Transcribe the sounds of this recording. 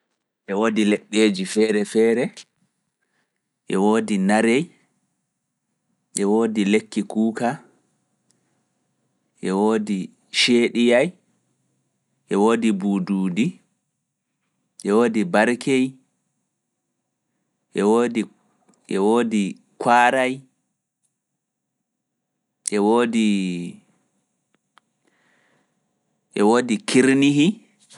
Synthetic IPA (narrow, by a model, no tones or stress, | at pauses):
ʔɛwoːdilɛɓːeːd͡ʒifɛːɾɛfɛːɾɛ | ʔɛwoːdinaɾej | ʔɛwoːdilekːikuːka | ʔɛwoːdi | ʃeːɗijaj | ʔɛwoːdibuːduːdi | ʔɛwoːdibaɾkʰej | ʔɛwodi | ʔɛwoːdi | kʰwaːɾaj | ʔɛwoːdi | ʔɛwoːdikʰiɾniɦi